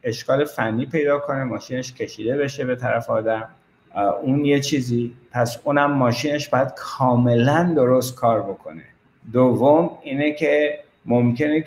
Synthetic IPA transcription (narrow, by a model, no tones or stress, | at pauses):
e̞ʃkɒːle̞fænːiːpʰe̞jd̪ɒːkʰo̞ne̞mɒːʃiːne̞ʃcʰe̞ʃiːd̪e̞βe̞ʃe̞be̞t̪ʰæɾæfɒːd̪æm | uːnje̞t͡ʃʰiːziːpʰæsuːnæmːɒːʃiːne̞ʃb̥ɒːjæd̪̥̚kʰɒːme̞lænd̪o̞ɾost̪̚kʰɒːɾbo̞kʰo̞̰nḛ | d̪ovːomiːnecʰe̞ | momce̞ne